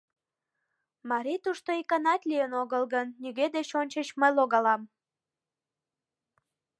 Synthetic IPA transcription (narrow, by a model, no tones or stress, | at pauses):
mɑɾit̪uʃt̪oikɑnɑt̪lʲijənoɣəlɣənːiɣed̪et͡ɕonʲt͡ɕət͡ɕməjloɣɑlɑm